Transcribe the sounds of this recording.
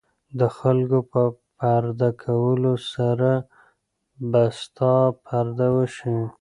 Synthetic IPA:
d̪əxalkopəpaɾd̪akʰawəlosaɾa | bast̪ɑpʰaɾd̪awəʃi

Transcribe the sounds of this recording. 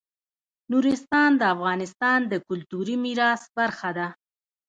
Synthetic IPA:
nuɾɪst̪ɑnd̪əafɣɑnɪst̪ɑnd̪əkʊlt̪uɾimiɾɑsbaɾxad̪a

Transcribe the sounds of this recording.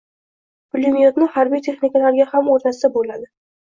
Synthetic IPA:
pʊlʲimijot̪nɪhaɾbijt̪ʰe̞χnikʲalaɾɡʲahamoɾt̪ʰasd̪abolad̪ɪ

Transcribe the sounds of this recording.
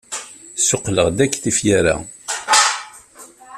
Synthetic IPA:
sʊqːləʁd̪ækːθifjaɾa̰

